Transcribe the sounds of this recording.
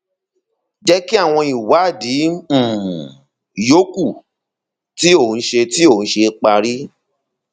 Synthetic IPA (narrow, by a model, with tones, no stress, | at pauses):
d͡ʒɛ˦ki˦a˦˨w̃ɔ̃˧i˨wa˨˦˨dĩ˨˦˨ | jo˦ku˦˨ | ti˦o˦˨ñ̩˦ʃe˧ti˦õ˦˨˦ʃe˧k͡pa˧ɾi˦